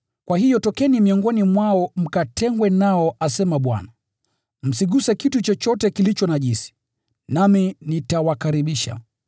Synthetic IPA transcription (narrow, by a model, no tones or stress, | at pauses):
kwahijɔtɔkɛnimiɔŋɡɔnimwaɔm̩katʰɛŋɡwɛnaɔasɛmaɓwa̰na | m̩siɠusɛkitut͡ʃɔt͡ʃɔtɛkilit͡ʃɔnaʄisi̥ | naminitawakaɾiɓiʃa̰